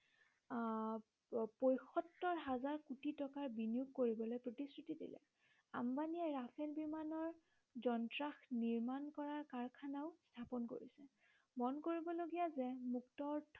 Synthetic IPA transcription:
pojxɔtːɔɹɦazaɹkutitɔkaɹbinijuɡ̚koɹibɔlojpɹotisɹutidḭlɛ̰ | a̰mbaniɛɹapʰɛlbimanɔɹ | zɔntɹaxniɹmankɔɹaɹkaɹkʰanaʊstʰapɔnko̰ɹḭsɛ | mɔnkoɹibɔloɡijazɛmuktɔɹtʰ

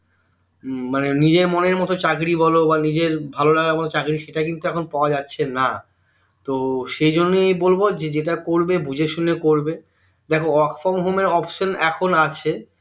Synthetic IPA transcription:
manenid͡ʑeɾmoneɾmɔt̪ot͡ɕakɾibʱɔlobanid͡ʑeɾbʱalolaɡaɾmɔt̪ot͡ɕakɾiʃeʈakint̪uɛkʰonpaoad͡ʑatːɕʰena | t̪oʃejd͡ʑonːejbolbod͡ʑed͡ʑeʈakoɾbebʱud͡ʑeɾʃunːekoɾbe | d̪ɛkʰoɔkfɔmɦomeɾɔpʃonɛkʰonat͡ɕʰe

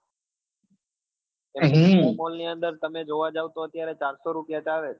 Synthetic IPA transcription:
eɦmolniənd̪əɾt̪əmed͡ʒoʋad͡ʒaʋt̪oət̪jaɾet͡ʃaɾsoɾupjat͡ʃaʋe

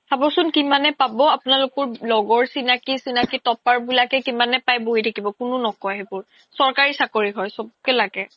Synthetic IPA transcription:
sabɔɹsʊnkimanɛpabɔapʊnalʊkɔɹlɔɡɔɹsinakisinakitɔpaɹbulakɛkimanɛpajboɦitʰakibɔkʊnʊnɔkɔɦebʊɹ | sɔɹkaɹisakoɹiɦɔjsɔb̚kɛlakɛ

